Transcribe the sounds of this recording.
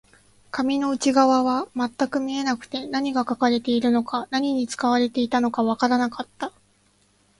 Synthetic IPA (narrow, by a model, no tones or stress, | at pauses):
kamʲino̞ɯ̟t͡ɕiɡaβaβamat̪ːakɯ̟mʲie̞nakɯ̟̥t̪e̞naɲ̟iɡakakaɾe̞t̪e̞iɾɯ̟no̞kanaɲ̟iɲ̟it͡sɨ̥kaβaɾe̞t̪e̞it̪ano̞kaβakaɾanakat̪ːa